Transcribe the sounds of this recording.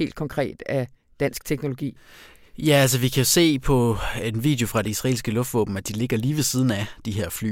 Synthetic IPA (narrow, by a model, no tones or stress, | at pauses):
e̝̰ld̥̚kʰɒ̽ŋkʰʁɛ̰ːd̥æ | d̥æn̰sɡ̥t͡sʰeɡ̥no̝lo̝ɡ̥ḭː | jææls̬əʋikʰæjo̝se̝̰ːpʰɒ̽enʋḭːd̥eo̝fʁɑ̈ɾ̥e̝isʁɑe̝ːlsɡ̥əlɔ̽fd̥ʋɔ̰̽ːb̥m̩æd̥ile̝ɡ̥ɐliːʋe̝siːð̞ˠn̩æd̥iɦe̝ɐ̰fly̰